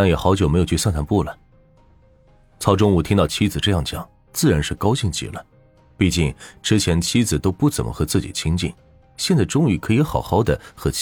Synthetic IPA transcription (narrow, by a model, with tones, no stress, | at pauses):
t̪a˥˩ŋjɛ˨˩xɑ˧˥ʊt͡ɕjʊme˧˥ɪjt͡ɕsɑ˥˧nt̪ʰa˧˥npu˥˩lə˩ | t͡sʰɑ˥ʊʈ͡ʂʊ˥ŋu˨˩t̪ʰi˥ŋt̪ɑ˥˩ʊt͡ɕʰi˥d͡zɹ̩˩ʈ͡ʂɤ˥˧jɑ˥˩ŋt͡ɕjɑ̰˨˩˦ŋ | t͡sɹ̩˥˩ɻa˧˥nʂɻ̩˥˩kɑ˥ʊɕi˥˩ŋt͡ɕḭ˨˩lə˦ | pi˥˧t͡ɕi˥˩ŋʈ͡ʂɻ̩˥t͡ɕʰjɛ˧˥nt͡ɕʰi˥d͡zɹ̩˨˩t̪o˥ʊpu˥˩t͡sə˨˩nmʔə̰˦xɤ˧˥t͡sɹ̩˥˩t͡ɕḭ˨˩t͡ɕʰi˥ŋt͡ɕḭ˥˩ŋ | ɕjɛ˥˧nt͡sa˥˩ɪʈ͡ʂʊ˥ŋy˧˩kʰɤ˧˥i˧˥xɑ˨˩ʊxɑ˧˥ʊd̪ə˨xɤ˧˥t͡ɕ